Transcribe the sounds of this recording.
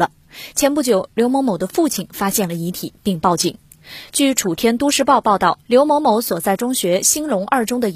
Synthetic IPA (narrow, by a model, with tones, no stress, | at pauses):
ə˧ | t͡ɕʰjɛ˧˥npu˥˩t͡ɕjo˨˩˦ʊljo˧˥ʊmɔ˧˥mo˧˥ʊd̪ə˧fu˥˩t͡ɕʰi˨˩nfa˥ɕjɛ˥˩nlə˩i˧˥t̪ʰi˨˩˦pi˥˧ŋpɑ˥˧ʊt͡ɕi˥˩ŋ | t͡ɕy˥˩ʈ͡ʂʰu˨˩t̪ʰjɛ˥nt̪u˥ʂɻ̩˥˧pɑ˥˧ʊpɑ˥˧ʊt̪ɑ˥˩ʊljo˧˥ʊmɔ˧˥mo˧˥ʊswɔ˨˩t͡sa˥˩ɪʈ͡ʂʊ˥ŋɕɥɛ˧˥ɕi˥nlʊ˧˥ŋʔɐ˞˥˩ʈ͡ʂʊ˥ŋd̪ə˨